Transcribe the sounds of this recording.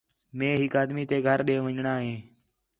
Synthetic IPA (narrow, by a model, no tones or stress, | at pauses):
mẽːɦɪkaːd̪miːt̪eːɡʱəɾɗeːʋəɲɳaːɦẽː